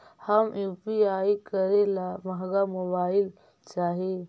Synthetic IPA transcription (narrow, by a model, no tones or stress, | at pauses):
həmjupiajikəɾelaməɦɡamobaɪl | t͡ʃaɦi